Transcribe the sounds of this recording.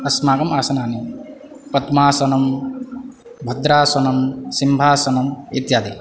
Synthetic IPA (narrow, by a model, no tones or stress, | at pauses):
ɐsmaːɡɐmaːsɐnaːni | pɐt̪maːsɐnɐm | bʱɐd̪ɾaːsɐnɐmsimbʱaːsɐnɐmit̪jaːd̪i